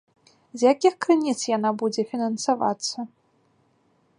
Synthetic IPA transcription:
zʲjakʲixkɾɨnʲit̪sjanabud͡zʲɛfʲinɐnsava̰t̪sːɐ

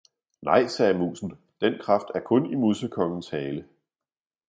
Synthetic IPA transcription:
nɑ̈ɪ̰sɛːmṵːsn̩ | d̥enkʰʁɑ̈fd̥æɐkʰɔ̽nimuðˠsəkʰɒ̽ŋn̩shɛːlə

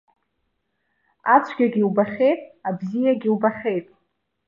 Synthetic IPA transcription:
at͡sʷʰɡʲaɡʲiwbaχʲe̞jtʼabzijaɡʲiwbaχʲejtʼ

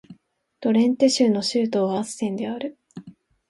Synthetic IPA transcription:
t̪o̞ɾẽ̞nt̪eɕɨːno̞ɕɨːt̪o̞ːβasɨ̥sẽ̞nd̪e̞aɾɯ̟

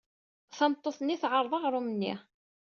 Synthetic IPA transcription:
θɑmt̪ˤːoθnːiθʕəɾˤðˤɑʁɾˤumənːḭ

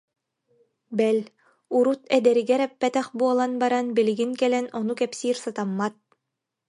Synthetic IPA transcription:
bɛl | uɾut̪ɛd̪ɛɾiɡɛɾɛpːɛt̪ɛχbuɔlˠanbaɾanbiliɡiŋkɛlɛnɔnukɛpsiːɾsat̪amːat̪̚

